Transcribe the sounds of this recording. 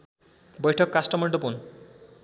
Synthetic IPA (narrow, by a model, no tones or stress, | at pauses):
bojʈʰɔkːasʈɔmɔɳɖopun